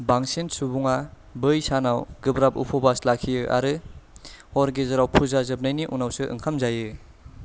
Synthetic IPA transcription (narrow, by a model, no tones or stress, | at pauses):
baŋsinsubuŋa | bɯjsanawɡɯbɾap̚ṵpʰɔbaslakʰijɯʔa̰ɾɯ | hɔɾɡezaɾawpʰuzazɯp̚najniʔunawsɯʔɯ̰ŋkʰamzajɯ